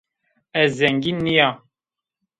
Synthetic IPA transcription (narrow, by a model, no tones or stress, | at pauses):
ɛzzɛŋɡinːija